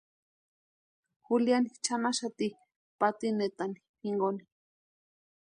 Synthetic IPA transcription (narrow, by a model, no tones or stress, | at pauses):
xuljanit͡ʃanaʃat̪i | pat̪inet̪ani̥miŋɡoni̥